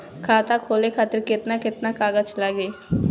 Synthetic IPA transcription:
kʰaːt̪akʰoːlekʰaːt̪əɾkɪt̪nakɪt̪naːkaːɡət͡ʃlaɡeː

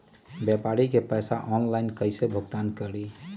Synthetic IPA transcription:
bjɛpaɾikepəjsa̰ʔɔnlaɪnkəɪsebʱoɡt̪ankəɾi

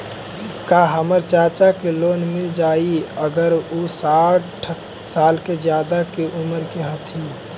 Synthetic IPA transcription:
kaɦəməɾt͡ʃaɾt͡ʃakelonmed͡ʒaiəɡəɾusaʈʰ | salked͡ʒjad̪akeʔuməɾkeɦət̪ʰi

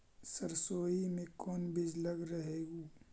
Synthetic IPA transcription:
səɾsoːimẽkɔːnbɪd͡ʒləɡɾəɦeːɡoː

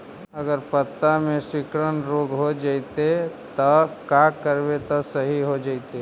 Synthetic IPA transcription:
ɐɡəɾpət̪ːamẽʃɪkɾənɾoːɡɦod͡ʒait̪et̪ɐkakəɾbet̪ɔsɐɦiɦod͡ʒaːit̪e

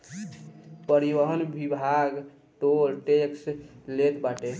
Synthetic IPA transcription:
pəɾibəɦənbibʱaɡ | ʈolʈekslet̪baʈe

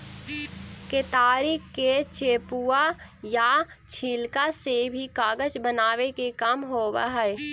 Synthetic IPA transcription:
ket̪aːɾɪkːet͡ʃeːpuajat͡ʃʰiːlkasebʱikaːɡəd͡ʒbənaːwekekamɦoːwə̰ɦɛ

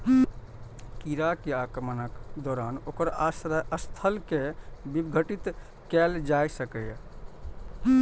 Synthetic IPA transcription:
kiɾakeakɾəmənəkd̪ɔɾanokəɾasɾəst̪ʰəlkebibɡʱəʈit̪ | kɛld͡ʒajsəkəj

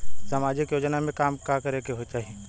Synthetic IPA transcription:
saːmaːd͡ʒɪkjoːd͡ʒnamẽkaːmkakɐɾekeɦot͡ʃaːɦeː

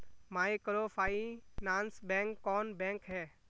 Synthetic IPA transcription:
maːikəɾofʰaːinãːnsbɛ̃ːŋkːɔːnbɛ̃ːŋkɦɛː

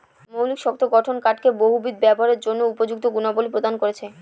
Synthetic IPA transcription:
mowlikʃɔk̚t̪ʰoɡɔʈʰonkaʈkeboɦubid̪̚bɛboɦaɾeɾd͡ʑonːoupod͡ʑuk̚t̪oɡunabolipɾod̪ankoɾet͡ɕʰe

